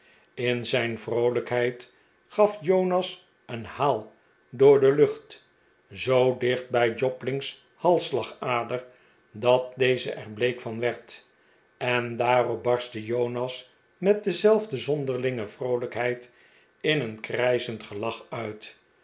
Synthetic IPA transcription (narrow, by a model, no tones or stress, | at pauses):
ɪnzɛjnvrowləkɦɛjt | χɑfjownɑs | ənhaːlˠ | dʊːɹdəlɵχt | zowdɪχd̚bɛjd͡ʒɔplɪŋs | hɑlˠslɑχaːdər | dɑt̚dejzə̰ʔɛɹblejkfɑnʋɛɹt | ɛndaːrɔp̚bɑɹstəjownɑs | mɛt̚dəzɛlˠvdəzɔndəɹlɪŋəvrowləkɦɛjt | ɪnənkrɛjzəntχəlɑχœɥt